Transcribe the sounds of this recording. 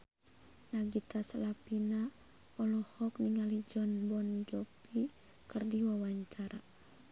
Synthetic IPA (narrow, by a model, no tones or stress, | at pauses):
naɡit̪asalapina | ɔlɔhɔk̚niŋalid͡ʒɔnbɔnd͡ʒɔpi | kərdiwawaɲt͡ʃaɾa